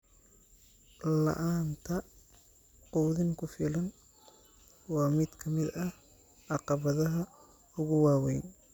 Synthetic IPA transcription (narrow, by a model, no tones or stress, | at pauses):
lɐ̰ʔaːnt̪ʰɐ | quðɪŋkʰʊfɪlɐn | wɑːmɪd̪kʰɐmɪd̪ɐ | ʔɑqɑβɐðɐɦɐ | ʊɣʊwɑːwɛjn